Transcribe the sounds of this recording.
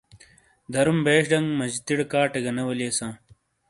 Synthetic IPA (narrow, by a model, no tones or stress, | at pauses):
d̪ɐɾumbeːɕɖɐŋɡmɐd͡ʑit̪iɽkaːʈeɡɐnɐwɐleːsãː